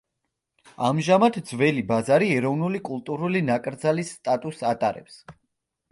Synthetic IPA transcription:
amʒamad̪ʰd̪zvɛlibazaɾiɛɾɔvnulikʼulˠt̪ʼuɾulinakʼɾd̪zalisːt̪ʼat̪ʼusat̪ʼaɾɛ̰ps

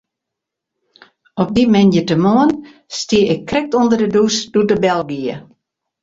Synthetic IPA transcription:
ɔp̚dimɛnjətəmoən | stiəɪkːrɛk̚tundərdədusdudəbɛlˠɡiə

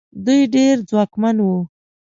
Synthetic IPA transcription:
d̪ujɖeɾd͡zwɑkmanwu

